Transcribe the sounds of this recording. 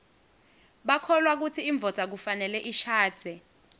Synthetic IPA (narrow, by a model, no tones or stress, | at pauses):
ɓakʰɔlwak̬utʰiːɱb̪vʱɔd̥ʱak̬ufanɛlɛʔiʃḁːd̥ʱɛ